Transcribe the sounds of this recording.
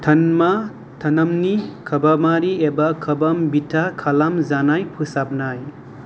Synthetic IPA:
tʰɐnma | t̪ʰɐnɐmnikʰɐbamaɾiebakʰɐbɐmbitʰakʰalamzanajpʰusap̚naj

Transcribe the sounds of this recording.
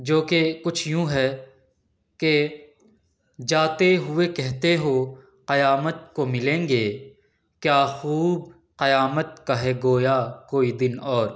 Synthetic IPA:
d͡ʒoːkekʊt͡ʃʰjũɦɛ | ke | d͡ʒaːt̪eɦʊekɛɦt̪eɦo | qɐjaːmət̪̚komɪlẽːŋɡeː | kjaːxuːb̚ | qɐjaːmət̪kaɦɛɡoːjakoːid̪ɪnɔːɾ

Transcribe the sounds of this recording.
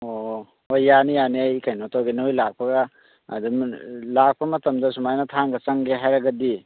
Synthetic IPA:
o | ojjanijaniajkʰajnotʰawɡenojlak̚pʰɐɡɐ | ɐ̰dumlak̚pʰɐmɐtɐmdɐsumajnɐtʰaŋɡɐt͡ʃɐŋɡeɦajɾɐɡɐdi

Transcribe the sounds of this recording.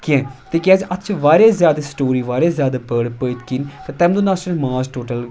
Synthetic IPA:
kiɛ̃t̪eːkʲaːd͡ʒʔɐtːt͡ʃʰʋaːɾeːzjaːd̪asʈoːɾiːʋaːɾeːzjaːd̪aːpəːɽpəit̪kint̪et̪ɛ̃ːmd̪oːnaːt͡ʃːmaːzʈoːʈəl

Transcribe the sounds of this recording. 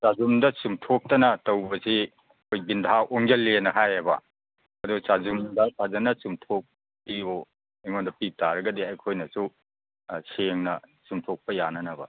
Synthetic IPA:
sazumdɐsumtʰok̚tɐnɐtɐwbɐsi | ɐkʰojbindaʔoŋd͡ʒɐlːenɐɦajɐbɐ̰ | ɐdusazumdɐtʰazɐnɐsumtʰok̚ | pio | iŋondɐpitaɾɐɡɐdiɐjkʰojnɐsu | seŋnɐsumtʰok̚pɐjanɐnɐbɐ̰

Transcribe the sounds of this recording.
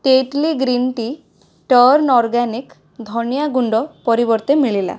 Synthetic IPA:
ʈeʈliɡɾinʈi | ʈəɾnɔɾɡanik | d̪ʱɔɳjaɡuɳɖɔpɔɾibɔɾt̪emiɭila̰

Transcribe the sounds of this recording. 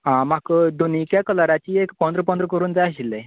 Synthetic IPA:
ɦãmakəd̪onikjakəlaɾat͡ɕiːekpə̃nd̪ɾəpə̃nd̪ɾəkəɾuːnd͡zajəɕilːe

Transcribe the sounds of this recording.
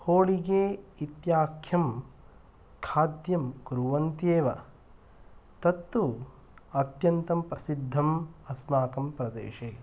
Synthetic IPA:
hoːɭiɡeːit̪jaːkʰjɐm | kʰaːd̪jɐmɡuɾuʋɐnt̪jeːʋɐ̰ | t̪ɐt̪ːu | ɐt̪jɐnt̪ɐmpɾɐsid̪ʱːɐmɐsmaːkɐmpɾɐd̪ḛːʃeː

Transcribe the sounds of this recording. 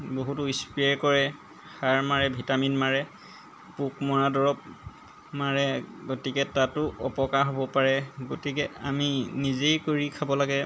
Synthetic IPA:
boɦutʊispijaɹkɔɹɛ | xaɹmaɹɛbʱitaminmaɹɛ | puk̚mɔɹadɔɹɔp̚ | maɹɛɡotikɛtatʊɔpɔkaɹɦobɔpaɹɛɡotikɛaminizejkoɹikʰabɔlaɡɛ

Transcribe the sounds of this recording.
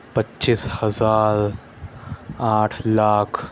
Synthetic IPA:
pɐtːt͡ʃishɐzaːɾ | aːʈʰlaːkʰ

